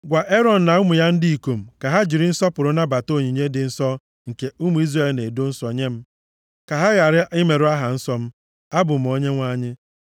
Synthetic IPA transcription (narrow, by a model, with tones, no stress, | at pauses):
ɡʷa˨ʔe˦ɾɔ˨n̩˨na˨ʊ˦mʊ˨ja˦n̩˦di˦i˨ko˨m̩˨ka˨ɦa˦d͡ʒi˨ɾɪ˦n̩˦sɔ˦pʊ˨ɾʊ˦na˦ba˨to˦˨ɲi˨ɲe˦dɪ˨n̩˦sɔ˦ | ŋ̩˨ke˨u˦mu˨i˦zɾa˦e˦˨lne˨do˦n̩˦sɔ˨ɲe˦m̩˦ | ka˨ɦa˦ɣa˨ɾɪ˦ɪ˦me˨ɾʊ˦a˦ɦa˨n̩˦sɔ˦m̩˦ | a˦bʊ˨m̩˨o˦ɲe˦ŋʷa˦ɲɪ˦